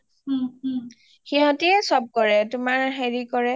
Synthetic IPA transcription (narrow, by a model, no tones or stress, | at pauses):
xiɦɔ̃tiɛsɔb̚kɔɹɛtʊmaɹɦeɹikɔɹɛ